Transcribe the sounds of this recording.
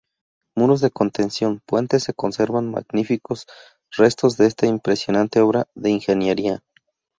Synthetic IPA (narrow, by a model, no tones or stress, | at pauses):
muɾo̞zðe̞ko̞nt̪e̞nsjo̞npwe̞nt̪e̞sːe̞ko̞nse̞ɾβanma̰ɣnifiko̞s | re̞st̪o̞zðe̞est̪aimpɾe̞sjo̞nãnt̪e̞o̞βɾaðe̞inxe̞njeɾia